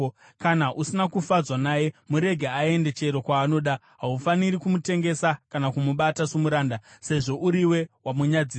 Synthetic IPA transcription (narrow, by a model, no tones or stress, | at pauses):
kanaʔusinakufad͡zwanaje̞muɾe̞ɡʱeae̞nde̞t͡ʃe̞ɾo̞kwaːno̞ɗa | ɦaufaniɾikumute̞ŋɡe̞sakanakumuɓatasumuɾaːndase̞ʐo̞ʔuɾiwe̞wamuɲad͡ziː